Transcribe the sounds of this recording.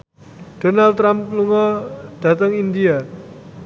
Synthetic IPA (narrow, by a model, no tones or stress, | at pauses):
d̥onalt̪ɾampluŋɔd̥a̤t̪əŋind̪ia